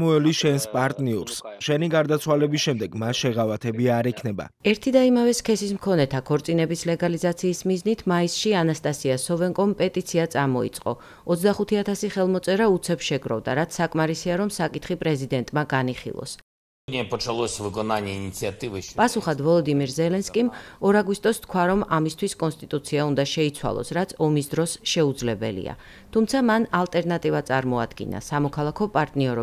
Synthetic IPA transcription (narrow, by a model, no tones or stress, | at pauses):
mɔɛliʃɛnspʼaɾt̪ʼniɔɾsʃɛniɡaɾd̪at̪sʰwalɛbisʃɛmd̪ɛɡmasʃɛʁavat̪ʰɛbiaɾɛkʰnɛba̰ɛɾt̪ʰid̪aimavɛskʰɛsismkʰɔnɛt̪ʰakʰɔɾt̪sʼinɛbislɛɡalizat̪sʰiːsmiznit̪ʰmaisʃianast̪ʼasiasɔvɛŋkʼɔmpʼɛt̪ʼit̪sʰiat̪sʼamɔḭt̪sʼqʼɔ̰ | ɔt̪sd̪aχut̪ʰiat̪ʰasiχɛlˠmɔt̪sʼɛɾaut̪sʰɛpsʃɛɡɾɔ̰vd̪a̰ɾat̪sʰːakʼmaɾisiaɾɔmsakʼit̪ʰχipʼɾɛzid̪ɛnt̪ʼmaɡaniχḭlˠɔ̰s | nʲiɛpɔt͡ʃalˠɔsʲvɨɡɔnanʲiinʲit̪siat̪ʼɨvɨpʼasuχad̪vɔlˠɔd̪imiɾzɛlɛnskʼimɔɾaɡwist̪ʼɔst̪kʰwaɾɔmamist̪ʰwiskʼɔnst̪ʼit̪ʼut̪sʰiaund̪aʃɛit̪sʰwa̰lˠɔ̰sɾat̪sʰɔmisd̪ɾɔsʃɛud̪zlɛbɛ̰lḭa̰ | t̪ʰumt̪sʰamanalˠt̪ʼɛɾnat̪ʼivat̪sʼaɾmɔa̰d̪ɡḭna̰samɔkʰalˠakʰɔpʼaɾt̪ʼniɔɾɔ